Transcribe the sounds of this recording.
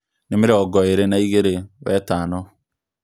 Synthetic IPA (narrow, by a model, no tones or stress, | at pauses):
nɪmɪɾeɔɡɔeɾenaiɣeɾewɛtaːnɔ